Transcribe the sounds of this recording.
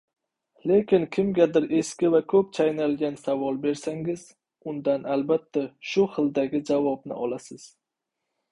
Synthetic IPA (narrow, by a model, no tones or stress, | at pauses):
le̞kʲɪnkʲʰɪmɡʲad̪ɪɾe̞skʲɪvakʰɵp̚t͡ʃʰajnalɡʲansavɒlˠbe̞ɾsaŋɪz | ʊnd̪anʔalbat̪ʰːaʃʊχɨld̪aɡʲɪd͡ʒavɒbnɪ̰ʔɒlasɪz̥